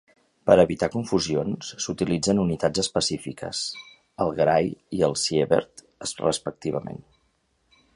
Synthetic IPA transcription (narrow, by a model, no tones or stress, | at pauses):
pəɾəβit̪akuɱfuzionssut̪ilid͡zənunit̪ad͡zəspəsifikə̰s | əlˠɣɾajiəlˠsjeβə̰ɾt̪ | əsrəspək̚t̪iβ̞əmḛn